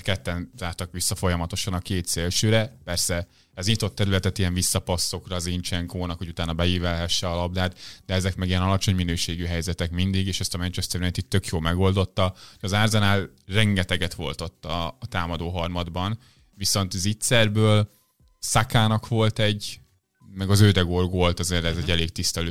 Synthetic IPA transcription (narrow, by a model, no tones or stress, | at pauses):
kɛt̪ːɛnzaːrt̪ɒkʋisːɒfo̞jɒmɒt̪o̞ʃɒnɒkeːt̪seːlʃøːɾɛpɛrsɛ | ɛzɲit̪o̞t̪ːɛɾylɛt̪ɛt̪ijɛɱvisːɒpɒsːo̞krɒːzint͡ʃɛŋkoːnɒkhoɟut̪aːnːɒbɛiːvɛlɦɛʃːɛɒlɒb̚d̪aːt̪d̪ɛɛzɛkmɛɡijɛnɒlɒt͡ʃo̞ɲminøːʃeːɡyɦɛjzɛt̪ɛkmind̪iɡeːʃɛst̪ɒmɛnt͡ʃɛst̪ɛrnɛjnt̪it̪ːø̞kjoːlmɛɡo̞ld̪o̞t̪ːɒhojɒzaːrzɛnaːlrɛŋɡɛt̪ɛɡɛt̪ʋo̞̰lt̪o̞t̪ːɒt̪aːmɒd̪oːɦɒrmɒd̪bɒn | viso̞nt̪zit̪sɛrbøːl | sakaːnɒkʋo̞lt̪ɛɟ | mɛɡɒzøːd̪ɛɡorɡolt̪ɒzeːrːɛzɛɟːɛleːkt̪ist̪ɛløː